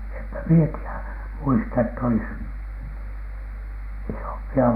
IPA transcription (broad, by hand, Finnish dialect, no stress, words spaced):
empæ mie tiæ muistɑ etː olis isompiɑ